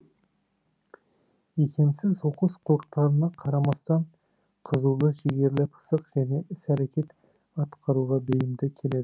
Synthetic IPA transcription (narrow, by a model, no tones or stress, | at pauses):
ekʲʰe̞msɪzoqəsqʰʊlˠəq̚t̪ɑɾənɑqʰɑɾɑmɑst̪ɑɴ | qʰəzulˠəʃeɡʲe̞ɾlɪpʰə̥səqʒ̥æne̞ʔɪsæɾekʲe̞t̪ | ɑt̪qʰɑɾuʁɑbɵjɪmd̪ɪkʲʰe̞le̞d̪ɪ